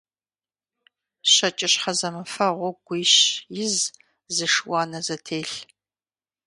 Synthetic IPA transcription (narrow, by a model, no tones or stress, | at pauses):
ɕɐt͡ʃʼɪɕħɐzɐmɨfɐʁʷɔɡʷiɕjɪz | zɨʂwɑːnɐzɐtʰeːɬ